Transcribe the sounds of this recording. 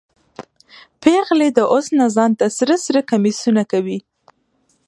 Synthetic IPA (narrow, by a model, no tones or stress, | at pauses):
peɣled̪əʔosnazɑnt̪asɾasɾakamisunakawi